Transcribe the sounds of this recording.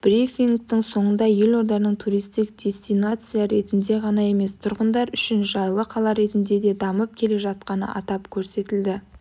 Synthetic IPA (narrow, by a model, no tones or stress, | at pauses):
b̥ɾifiŋɡ̚t̪ɪŋso̞ɴənd̪ɑje̞lo̞ɾd̪ɑɾnəɴt̪ʰuɾijst̪ɪk̚d̪ʲe̞st̪ijnat̪sɨjaɾe̞t̪ɪnd̪e̞ʁɑnɑe̞me̞st̪ʰʊɾʁənd̪ɑɾʏʃɪnʒɑjlˠəqʰɑlˠɑɾe̞t̪ɪnd̪e̞d̪e̞d̪ɑməp̚kʲʰe̞le̞ʒɑt̪̚qɑnə̰ʔɑ̰t̪ɑpkʲʰɵɾse̞t̪ɪld̪ɪ